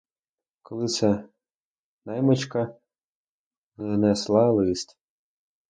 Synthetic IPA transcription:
kɔlˠɪt̪sɛ | nɑjmɔt͡ʃkɐ | nɛslˠɑlˠɪsʲtʲ

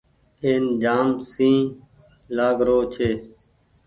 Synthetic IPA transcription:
eːnd͡ʒaːmsĩː | laːɡɾoːt͡ʃʰeː

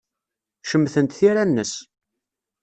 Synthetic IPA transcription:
ʃəmːθənt̪θiɾænːəs

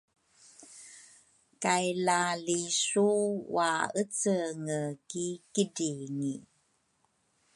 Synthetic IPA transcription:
kajlalisuwaət͡səŋəkikədiŋi

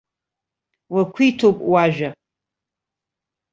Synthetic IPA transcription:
wakʷʰitʰopʼwaʒᶣa

